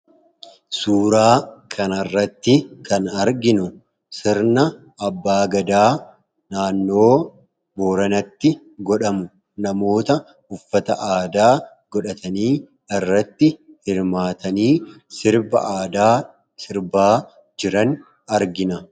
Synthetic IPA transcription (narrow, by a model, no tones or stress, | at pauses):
suːɾaːkʰɐnɐrːɐt̪ːɪkɐnɐɾɡɪnʊ | sɪɾnɐ | ɐbːaːɡɐd̪aː | naːnːo̞ː | bo̞ːɾɐnɐt̪ːɪ | ɡɔᶑɐmʊ | nɐmo̞ːt̪ɐ | ʊfːɐt̪ɐ̰ʔaːd̪aː | ɡɔᶑɐt̪ʰɐniː | ɪrːɐt̪ːɪhɪɾmaːt̪ɐniːsɪɾbɐ̰ːd̪aː | sɪɾbaː | d͡ʒɪɾɐn | ɐɾɡɪnɐ